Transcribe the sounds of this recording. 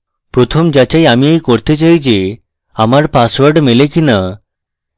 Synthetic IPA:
pɾot̪ʰomd͡ʑat͡ɕaiamiikoɽt̪et͡ɕaɦid͡ʑe | amaɾpasʋəɽmelẽkina

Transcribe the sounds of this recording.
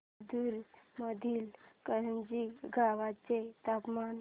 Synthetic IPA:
d̪uːɾməd̪ʱiːlkəɾənd͡ʑiɡʱaʋat͡set̪apman

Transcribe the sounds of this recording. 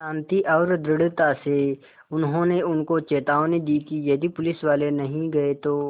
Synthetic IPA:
ʃãːnt̪iʔɔːɾd̪ɾɪɽt̪ase | ʊnɦõneʊnkot͡ʃeːt̪aːoned̪iːkijɐd̪ʱipʊlɪsʋaːlenɐɦĩɡɐet̪oː

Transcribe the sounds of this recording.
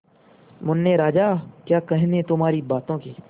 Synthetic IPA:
mʊnːeːɾaːd͡ʒaːkjaːkəɦnẽːt̪ʊmaːɾiːbaːt̪õːkiː

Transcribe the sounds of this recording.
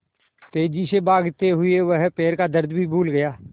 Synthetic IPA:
t̪eːd͡ʒisebaːɡt̪eɦʊeʋɐɦpeːɾkad̪ɐɾd̪bʱibʱuːlɡɐjaː

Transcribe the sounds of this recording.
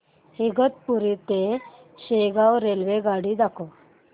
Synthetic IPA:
heɡət̪̚puɾit̪e | ɕeɡawɾelʋeɡaɽid̪akʰo

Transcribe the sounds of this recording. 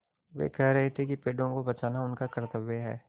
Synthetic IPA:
ʋḛːkɛɦɾɐɦet̪ʰekipeːɖõkobɐt͡ʃaːnaʊnkakɐɾt̪əʋeɦɛ̰ː

